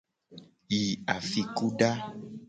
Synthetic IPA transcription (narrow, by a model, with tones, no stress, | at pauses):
ji˨a˨fi˨ku˦ɖa˦